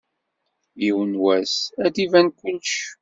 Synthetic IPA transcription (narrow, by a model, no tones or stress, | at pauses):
iwənwæsæd̪ivænkʷːənʃ